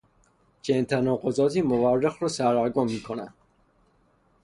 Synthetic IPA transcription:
t͡ʃʰent̪ʰænɒːqozɒːt̪iːmoværːexɾɔːsæɾːæɾɡomːiːkʰonæ̰nd̪̥

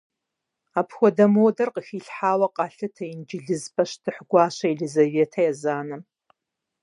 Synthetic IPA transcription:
apʰxʷɔdɐmowdɐrqʼəxiɬħaːwɐqʼaɬɨtʰɐind͡ʒɪɮɨzpʰʼɐʃtʰɨħɡʷaːʃɐiɮizaveːtʰajazaːnɨ

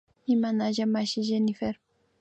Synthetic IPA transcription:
imanaʒamaʃiʒenifeɾ

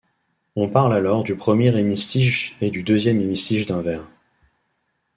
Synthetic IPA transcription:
ɔ̃paʁlalɔʁd̪ypχəmjeʁemist̪iʒed̪yd̪øzjɛmemist̪iʒd̪ɛ̃vɛːʁ

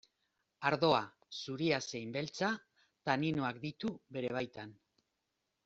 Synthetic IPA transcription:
aɾðo̞a | suɾiase̞jmbe̞lt͡sa | t̪aninoakd̪it̪uβe̞ɾe̞β̞ajt̪an

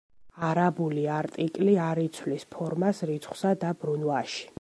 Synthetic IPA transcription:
aɾabuliaɾt̪ʼikʼliaɾit̪sʰwlispʰɔɾmasɾit̪sʰχwsad̪abɾunwaʃi̥

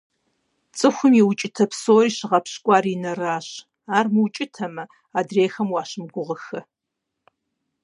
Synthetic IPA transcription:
t͡sʼɨxʷʊmiwt͡ʃʼɪtʰɐpʰsoːriːɕɪʁɐpɕkʷʼɑːɾinɐraːɕ | aːrmɨwt͡ʃʼɪtʰɐmɐ | aːdreːxɐmwɑːʃɪmɡʷʊʁəxɐ

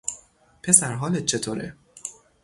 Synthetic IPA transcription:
pʰe̞sæɾɦɒːlet̪̚t͡ʃʰe̞t̪ʰoːɾḛ

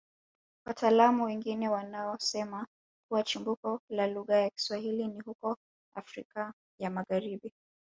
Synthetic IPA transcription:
wataːlamuwɛŋɡinɛwanaɔsɛma | kuwat͡ʃimbukɔlaluɣajaki̥swahilinihukɔ | a̰fɾika | jamaɣaɾiɓi

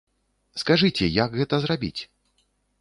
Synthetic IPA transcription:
skaʐɨt͡sʲɛjaɡɣɛt̪ɐzrabʲḭt͡sʲ

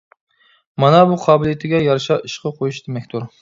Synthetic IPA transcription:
mɑnɑbuqʰɑːbɪlˠijet̪ʰɪɡʲɛjɑɾʃɑʔiʃqʰɑqʰojuʃd̪̥emɛkʲt̪ʰuɾ

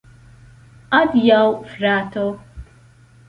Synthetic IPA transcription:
adjawfɾatɔ

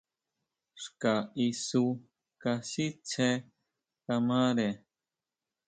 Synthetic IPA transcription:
ʂkaisu | kasit͡ʃʰe | kamaɾe

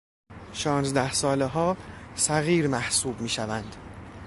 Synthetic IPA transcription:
ʃɒːnzd̪æhsɒːleɦɒːsæɣiːɾmæhsuːbmiːʃævænd̪̥

